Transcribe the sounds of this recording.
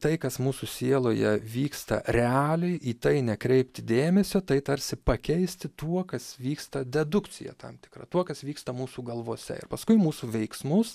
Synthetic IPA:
t̪ɐɪkɐsmuːsusʲeːlˠoːjɛʋʲiːkst̪ɐ̰ɾʲɛɑːlʲɛɪʔiːt̪ɐɪnʲɛkɾʲɛɪpʲt̪ʲɪd̪ʲeːmʲɛsʲoːt̪ɐɪt̪ɐɾʲsʲɪpɐkʲɛɪsʲt̪ʲɪt̪uɔkɐsʋʲiːkst̪ɐd̪ʲɛd̪ʊkt͡s̪ʲɪ̰jɛ̰t̪ɐ̰mt̪ʲɪ̥krɐ̰t̪uɔkɐsʋʲiːkst̪ɐmuːsuːɡɐlˠʋoːsʲɛ̰ɪ̰ɾpɐskʊɪmuːsuʋʲɛɪksmʊs

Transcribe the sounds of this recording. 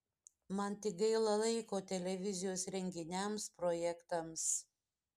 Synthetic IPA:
mɐnt̪ʲɪɡɐɪlˠɐlˠɐɪkoːt̪ʲɛlʲɛʋʲɪzʲɪjoːsɾʲɛŋʲɡʲɪnʲɛmspɾojɛkt̪ɐms

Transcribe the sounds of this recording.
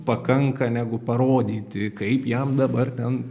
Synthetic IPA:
pɐkɐŋkɐnʲæːɡʊpɐɾoːd̪ʲiːt̪ʲɪkɐɪpjɛmd̪ɐbɐrt̪ʲɛn

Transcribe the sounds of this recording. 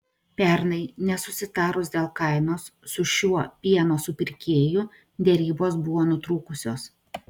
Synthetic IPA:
pʲɛɾnɐɪnʲɛsʊsʲɪt̪ɑːɾʊsd̪ʲeːlˠkɐɪnoːsːʊʃʲuɔpʲiɛnoːsʊpʲɪɾʲkʲeːjʊ | d̪ʲɛɾʲiːboːsbʊʋoːnʊt̪ɾuːkʊsʲoːs

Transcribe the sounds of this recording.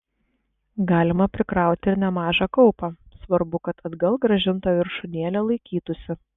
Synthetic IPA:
ɡɑːlʲɪmɐpʲɾʲɪkɾɑˑʊt̪ʲɪɾnʲɛmɑːʒɑkɐʊpɑsʋɐɾbʊkɐt̪ɐd̪ɡɐlˠɡɾɐʒʲɪnt̪oːʋʲɪɾʃʊnʲeɛlʲɛlˠɐɪkʲiːt̪ʊsʲɪ

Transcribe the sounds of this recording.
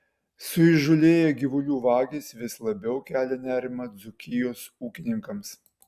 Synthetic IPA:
sʊɪʒʊlʲeːjɛɡʲɪʋʊlʲuːʋɑːɡʲisʋʲɪslˠɐbʲɛʊkʲæːlʲɛnʲæːɾʲɪmɐd̪zʊkʲɪjoːsuːkʲɪnʲɪŋkɐms

